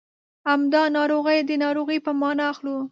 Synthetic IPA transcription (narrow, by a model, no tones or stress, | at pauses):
hamd̪ɑnɑɾoɣəjd̪ənɑɾoɣəjpəmɑnɑaxlu